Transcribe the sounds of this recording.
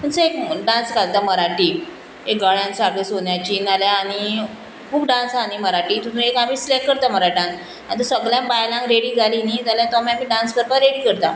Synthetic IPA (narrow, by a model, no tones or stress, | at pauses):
munsəekɖãnskalt̪aməɾaʈiː | ek̚ɡəɭjãnsaɡɭesonjat͡ɕiːnaljaːɽ̃i | kʰuːpɖãnsaniːməɾaʈiːt̪usũekam̤iːslekkːəɾt̪aməɾaɖãns | a̰ɽ̃it̪̬ɔsəɡɭjãbajlãŋkɾeɽiːd͡zʱalinid͡zaljat̪ɔamiamiːɖãnskəɾpaɾeɽiːkəɾt̪a